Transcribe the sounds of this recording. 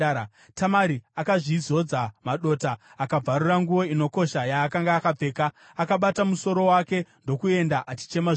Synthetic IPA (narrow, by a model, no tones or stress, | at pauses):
tʰamaɾiakaʐizo̞d͡zamaɗo̞ːtaː | kab͡vʱaɾuraŋɡuwo̞ino̞ko̞ʃajaːkaŋɡaːkab͡ve̞ːkaː | kaɓatamuso̞ɾo̞wake̞ndo̞kue̞ndaʔat͡ʃi̥t͡ʃe̞maʐ